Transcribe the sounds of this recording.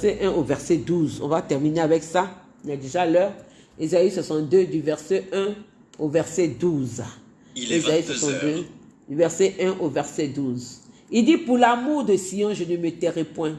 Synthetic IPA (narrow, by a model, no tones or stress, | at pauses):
sɛʔɛ̃ovɛʁsɛd̪uzɔ̰̃vat̪ɛʁmineavɛksa | ilɛd̪eʒalœʁ | ezaiswasɑ̃t̪d̪ød̪yvɛʁsɛɛ̃ | ovɛʁsɛd̪uza | ezaiswasɑ̃t̪d̪ød̪yvɛʁsɛʔɛ̃ʔovɛʁsɛd̪uz | ild̪ipuʁlamuʁd̪əsiɑ̃ʒənəmət̪ɛʁɛpwɛ̃